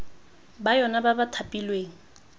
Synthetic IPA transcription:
bajɔnababatʰapʼilweːŋ̩

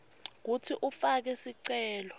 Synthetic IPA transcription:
k̬utʰiʔufak̬ɛsiǀɛːlɔ

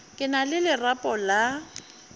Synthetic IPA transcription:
kʼɪnalɪlɪrapʼɔla

